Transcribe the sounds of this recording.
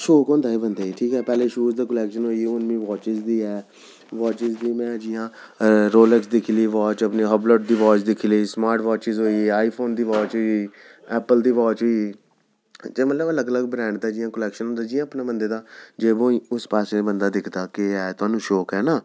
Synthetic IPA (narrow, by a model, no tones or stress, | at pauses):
ʃɔːkɦɔ̃ːnd̪aːiːbənd̪eːiːʈʰiːkɛːpɛːleːʃuːzd̪aːkəlɛːkʃənɦoːiʊnmĩːʋɔːt͡ʃɪzd̪iːɛː | ʋɔːt͡ʃɪzd̪iːmɛ̃ːd͡ʒɪjãː | ɾoːlɛksd̪ɪkʰiliːʋɔːt͡ʃəpneːɦəbloːʈ̚d̪iːʋɔːt͡ʃd̪ɪkʰiːləiːsmaːɾʈʋaːt͡ʃɪzɦoːiːaːiːpʰoːnd̪iːʋɔːt͡ʃɦoːiː | ɛːpəld̪iːʋɔːt͡ʃɦoːiː | d͡ʒ̪eːmət̪ləbələɡələɡ̚bɾɛ̃ːɳɖt̪aːd͡ʒɪjãːkəlɛːkʃənɦõnd̪aːd͡ʒɪjãːəpneːbənd̪eːd̪aːd͡ʒeːʋõːiːʊspaːsneːbənd̪aːd̪ɪkʰd̪aːkɪɛːt̪ʊaːnũːʃɔːkɦɛːnaː